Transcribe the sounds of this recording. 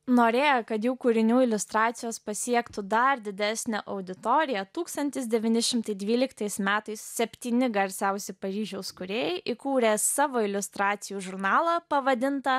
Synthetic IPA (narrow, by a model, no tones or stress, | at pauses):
noːɾʲeːjɛkɐt̪juːkuːɾʲɪnʲuːɪlʲʊst̪ɾɑːt̪sʲɪjoːspɐsʲiɛkt̪ʊd̪ɐɾd̪ʲɪd̪ʲæsʲnʲɛʔɐʊd̪ʲɪt̪oːɾʲɪjɛt̪uːkst̪ɐnʲt̪ʲɪsd̪ʲɛʋʲɪːnʲɪʃʲɪmt̪ɐɪd̪ʲʋʲiːlʲɪkt̪ɐɪsmʲæːt̪ɐɪssʲɛpʲt̪ʲiːnʲɪɡɐɾʲsʲɛʊsʲɪpɐɾʲiːʒʲɛʊskʊɾʲeːjɛɪʔɪkuːɾʲeːsɑːʋoːɪlʲʊst̪ɾɑːt̪sʲɪjuːʒʊɾnɑːlˠɑpɐʋɐd̪ʲɪnt̪ɐ